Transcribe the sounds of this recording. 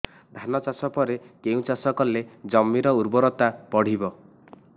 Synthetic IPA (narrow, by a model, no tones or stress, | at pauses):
d̪ʱanɔt͡ʃasɔpɔɾekeũt͡ʃasɔkɔled͡ʒɔmːiɾɔuɾbɔɾɔt̪apɔɽ̤ibɔ